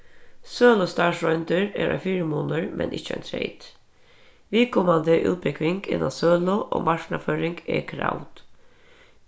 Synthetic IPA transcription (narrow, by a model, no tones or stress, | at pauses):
søːlɔst̪ɑːʂɾɔʏnt̪əɹḛːɾʔɑ̰ːfiːɾəmoːnəɹmʔɛ̰nʔɪ̰çəɛ̰nt̪ʰɾḛɪd̪̥ | ʋɪlkʰɔmɑnd̪əʔʉ̰ːt̪̚pɪkʰʋɪŋɡɪ̰na̰søːlʊʔo̰ːmʔɑʃnɑføːɾɪŋɡḛːkʰɾa̰ʊt̪